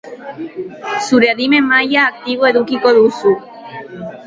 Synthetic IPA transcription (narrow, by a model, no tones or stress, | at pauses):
suɾeaðime̞majaːk̚t̪iβ̞oe̞ðukiko̞ðusu